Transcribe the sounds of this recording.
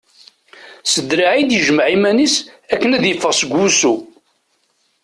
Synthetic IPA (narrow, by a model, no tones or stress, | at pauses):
səd̪ɾaʕid̪jəʒməʕimænisækːənæðjəfːəʁsəɡʷusu